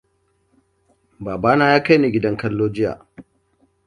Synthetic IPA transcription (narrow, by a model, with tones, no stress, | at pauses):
baː˨baː˦naː˦jaː˦ka˦jneː˨ɡʲɪ˦dɐ˦ŋkɐ˦lːoː˦d͡ʒɪ˦ja̰ː˨